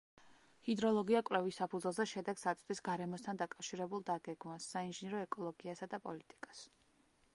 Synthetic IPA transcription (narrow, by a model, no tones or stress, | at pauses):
hid̪ɾɔlˠɔɡiakʼwlɛvisapʰud̪zwɛlˠzɛʃɛd̪ɛɡsat̪sʼd̪isɡaɾɛmɔst̪ʰand̪akʼafʃiɾɛbulˠd̪aɡɛɡmasːainʒinɛɾɔɛkʼɔlˠɔɡiasad̪apʼɔlit̪ʼi̥kʼas